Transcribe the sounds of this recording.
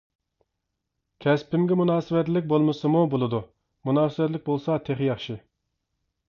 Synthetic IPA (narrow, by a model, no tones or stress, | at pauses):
kʲʰɛspɪmɡʲɛmunɑːsɨwɛt̪lɪk̚ʲbolˠmɨsɨmubolˠɨd̪u | munɑːsɨɪwɛt̪lɪk̚ʲbolˠsɑt̪ʰeχjɑχʃi